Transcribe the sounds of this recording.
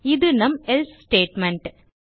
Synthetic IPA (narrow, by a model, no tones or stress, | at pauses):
iðɨnɐmelssʈeːʈmeɳʈ